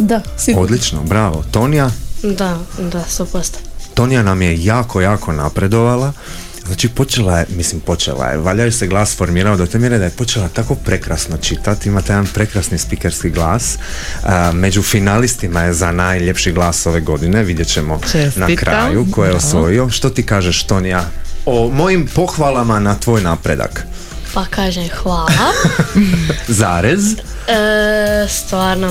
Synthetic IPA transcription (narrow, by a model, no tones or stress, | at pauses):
d̪a | sod̪lit͡ʃno̰bɾaʋo̞̰t̪o̞nijad̪ad̪asopost̪t̪o̞nijanamje̞jaːkʰo̞jaːkʰo̞napɾe̞d̪o̞ʋalˠa | znaːt͡ʃipo̞t͡ʃe̞lˠaje̞mislimpo̞t͡ʃe̞̰lˠa̰jḛʋaʎajuse̞ɡlˠaːsfo̞ɾmiːɾaod̪ot̪e̞mje̞ɾed̪ajepo̞t͡ʃe̞lat̪ako̞pɾe̞kɾasno̞t͡ʃit̪at̪imat̪ejed̪anpɾe̞kɾasnispikeɾskiɡlˠaːs | me̞d͡ʑufinalist̪imaje̞zanaːjʎe̞pʃiɡlˠaːso̞ʋe̞ɡo̞d̪ine̞ʋid̪je̞t͡ɕe̞mo̞nakɾʔa̰jukojejeosʋo̞jio̞ʃt̪o̞t̪iːkaːʒeʃt̪onjaːomo̞jimpo̞xʋalˠamanat̪ʋo̞ːjnaːpɾe̞̰d̪a̰k | pakaːʒemxʋaːla | zaːɾez | st̪ʋaːɾno